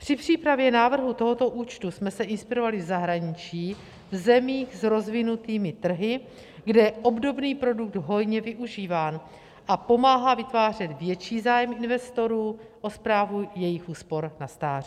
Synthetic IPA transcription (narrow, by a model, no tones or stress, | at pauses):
pr̝̥ɪpr̝̥iːpɾavjɛnaːvr̩ɦut̪o̞ɦo̞t̪o̞ʔuːt͡ʃt̪usmɛsɛʔɪnspɪɾo̞valɪvzaɦɾaɲɪt͡ʃiː | vzɛmiːxzɾo̞zvɪnut̪iːmɪt̪r̩ɦɪ | ɡdɛʔo̞bdo̞bniːpɾo̞duk̚d̪ɦo̞jɲɛvɪʔuʒiːvaːn | ʔapo̞maːɦavɪt̪vaːrɛd̪vjɛt͡ʃiːzaːjɛmɪnvɛst̪o̞ɾuːʔo̞spɾaːvujɛjɪxʔuːspo̞ɾnast̪aːrɪ